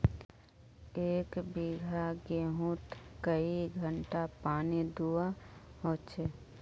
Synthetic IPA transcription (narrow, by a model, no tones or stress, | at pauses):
eːkbiɡʱaɡeːɦũt̪kəiɡʱə̃ɳʈapaːnid̪uaɦõːt͡ʃʰe